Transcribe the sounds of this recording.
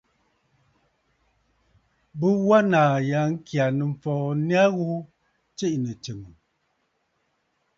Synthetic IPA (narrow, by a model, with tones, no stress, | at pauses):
bə˦wa˦naː˨ja˨˦ŋ̩˦kʰja˨nə˨m̩˨fɔː˨n˦a˦ɣu˦ | t͡ʃi˦ʔnə˨t͡ʃə˨mə˨